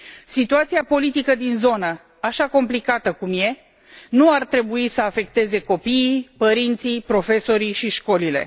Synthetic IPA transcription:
sit̪uat̪siapo̞lit̪ikəd̪inzo̞nə | aʃako̞mplikat̪əkumje̞ | nuart̪ɾe̞buisəafe̞kt̪e̞ze̞ko̞piːpəɾint̪sipɾo̞fe̞so̞ɾiʃiʃko̞lile̞̰

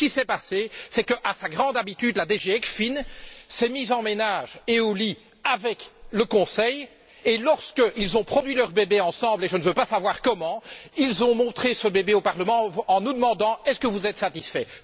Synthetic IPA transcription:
kʲisɛpasesɛkəʔasaɡʁɑ̃d̪abit̪yd̪lad̪eʒeɛkfinsɛmiːzɑ̃menaʒeoli | avɛkləkɔ̃sɛj | elɔʁskəʔilzɔ̃pχɔd̪ɥilœʁbebeɑ̃sɑ̃bleʒənvøpasavwaːʁkɔmɑ̃ilzɔ̃mɔ̃t̪χesəbebeopaʁləmɑ̃ɑ̃nud̪əmɑ̃d̪ɑ̃ɛskəvuzɛt̪sat̪isfɛ

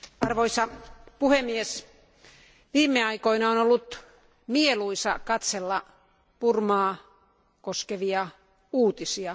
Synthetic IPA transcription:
ɑrʋoisɑpuhemːies | ʋiːmːeɑikoinɑonolːut̪ | mieluisɑkɑt̪selːɑ | purmɑː | koskeʋiɑ | uːt̪isiɑ

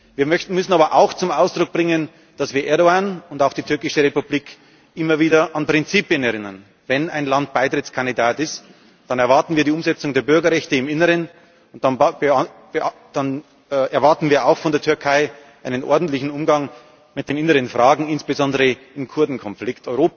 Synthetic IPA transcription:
viːɐmmʏsn̩aːbɐʔaʊxt͡sʊmaʊsd̥ʁʊk̚b̥ʁɪŋən | d̥asv̥iːɐʔɛɐɾoaːnʊndaʊxd̥iːtʰʏɐkɪʃəʁepubliːk | ʔɪmɐviːdɐʔanpʁ̥ɪnt͡siːpjənɛɐʁɪnɐn | vɛnaɪnlant̚b̥aɪtʁ̥ɪt͡skʰandidaːtɪst | d̥anɛɐvaɐtn̩viːɐdiːʊmzɛt͡sʊŋdeːɐbʏɐɡɐʁɛçtəɪmɪnəʁən | ʊn̥an | bd̥an | ʔɛɐvaɐtn̩viːɐaʊxfɔndeːɐtʰʏɐkʰaɪʔaɪnənʔɔ̰ɐdn̩tlɪçn̩ʊmɡaŋ | mɪt̚d̥eːnɪnəʁənfʁ̥aːɡŋ̩ɪnsb̥ezɔndəʁə | ɪmkʰʊɐdn̩kʰɔnflɪktɔʏʁoːp

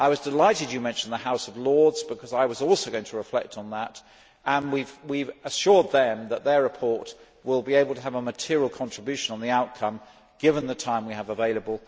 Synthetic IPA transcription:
ʔaɪwʌzdɨlaɪɾɨd͡ʒɨmɛ̃nʃn̩ðəhaʊsʌvlɔɹdzb̥ɨkʰʌzaɪwʌzɔlˠsoʊɡoʊɪ̃ŋtʰəɹɨflɛk̚tn̩ðəɾ | ə̃nwivwivəʃʊɹd̪̚ðɨ̃mðət̪̚ðə˞ɹɨpʰɔɹt | wɪlˠbieɪbl̩ˠtʰəːvəmɨtʰɪɹilˠkʰɑ̃nt͡ʃɹ̥ɨbjʉʃɨ̃nə̃nðiaʊt̚kʰʌ̃m | ɡ̥ɪvə̃nðɨtʰãɪ̃mwiɨvəveɪlˠəbəl̩ˠ

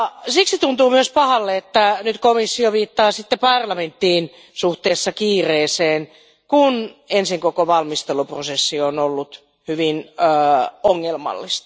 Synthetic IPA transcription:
ɑsiksit̪unt̪uːmyøspɑhɑlːeet̪ːænyt̪komisːioʋiːt̪ːɑːsit̪ːepɑrlɑment̪ːiːn | suht̪eːsːɑkiːreːseːn | kunensiŋkokoʋɑlmist̪eluprosesːionolːut̪ | hyʋinː | oŋːelmɑ̰lːist̪ɑ̥

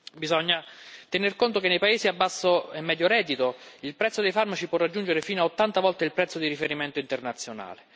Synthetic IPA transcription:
bizɔɲːat̪enerkont̪okenːejpaeːsiabːasːoɛmːɛd̪joɾɛːd̪it̪oilpɾɛt̪sːod̪ejfarmat͡ʃipwɔrːad͡ʒːund͡ʒeɾefiːnoaot̪ːant̪avɔlt̪eilpɾɛt̪sːod̪iɾifeɾimɛnt̪oint̪ernat̪sːjona̰ːle

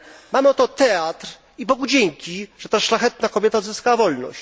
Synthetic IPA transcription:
mamɘɔt̪ɔt̪ɛat̪ɾ | ipɔɡud͡ʑeŋkʲiʐ̥ɛt̪aʂlaxɛt̪nakɔbʲjɛt̪aɔd̪zɘskawavɔlnɔ̰ɕt͡ɕ

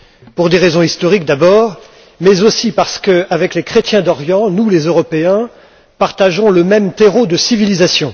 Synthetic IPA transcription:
puʁd̪eʁezɔ̃ist̪ɔʁik̚d̪abɔːʁ | mɛzosipaʁsə̥kəavɛklekχet̪jɛ̃d̪ɔʁjɑ̃nulezøʁɔpeɛ̃ | paʁt̪aʒɔ̃ləmɛmt̪eʁod̪əsivilizasjɔ̃

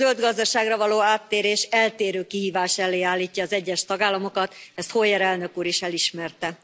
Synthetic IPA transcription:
zøld̪ɡɒzd̪ɒʃaːɡrɒvɒloːaːt̪ːeːɾeːʃɛlt̪eːɾøːkihiːvaːʃɛlːeːaːlːiːcːɒːzɛɟːɛʃt̪ɒɡaːlːɒmo̞kɒt̪ɛst̪hoːjɛɾɛlnø̞kuːɾeːʃɛliʃmɛrt̪ɛ

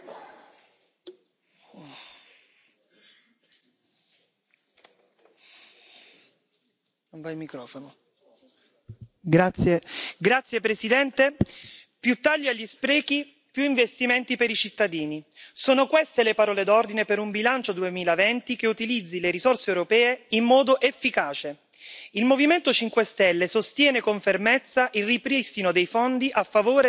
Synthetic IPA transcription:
nonvajlmikɾɔːfono | ɡɾat̪sjeɡɾat̪sːjepɾesid̪ɛnt̪epjut̪ːaʎːiaʎːispɾɛːki | pjuiɱvest̪iment̪ipeɾit͡ʃit̪ːad̪iːnisoːnokwest̪elepaɾɔːled̪ɔrd̪inepeɾumbilant͡ʃod̪uemiːlavɛnt̪ikeut̪ilid̪zːileɾizorseːwɾopɛːeimːɔːd̪oʔefːikaːt͡ʃe | ilmoviment̪ot͡ʃiŋkwest̪ɛlːesost̪jɛːnekoɱfermet̪sːaʔilrːipɾist̪inod̪ejfɔnd̪iʔafːavoːɾ

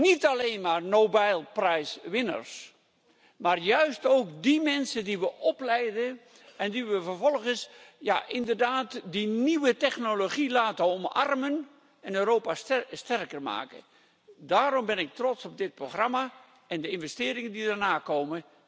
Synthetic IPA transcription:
nitaleːnmaːrnoːbajlˠprɛjsʋɪnə̰rs | maːrjœɥstowkdimɛnsədiʋəʔɔplɛjdə | ɛndiʋəvərvɔlˠɣənsja̰ʔɪndərdaːtdiniʋətɛxnoloχilaːtəɔmɑ̰rmən | ɛnøːɾoːpasstɛrkərma̰ːkə̰ | daːɾɔmbɪnɪk̚trɔtsɔb̚dɪt̚proxrama | ɛndəɪnvɛstɪːɾɪŋəndidərnaːkoːmə

